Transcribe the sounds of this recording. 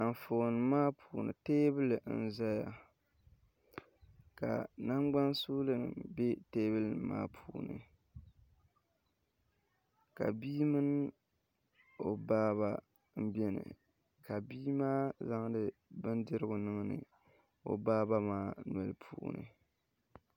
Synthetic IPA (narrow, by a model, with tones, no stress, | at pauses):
a˨n˨fo˨nɨ˨maː˦pʰuː˨nɨ̰˨teː˦bɨ˦lɨ˨˦n̩˨˦za˦ja˨ | ka̰˨na˦ŋɡ͡ba˦nsuː˦lɨ˦nɨ̰˨be˦teː˦bɨ˦lnɨ˨ma̰ː˦pʰuː˨˦nɨ̰˨ | ka̰˨biː˦mɨ˦n˦ | o˨baː˦βa˨ | m̩˦bɛ˦nɨ̰˨ | ka˨biː˦maː˦za˦ŋ˦dɨ˦bɨ˦ndɨ˦ɾɨ˦ɡʊ˨nɨ˦ŋ˦nɨ̰˨ | o̰˨baː˦ba˦maː˦nwɛ˨lpʰṵː˨nɨ̰˨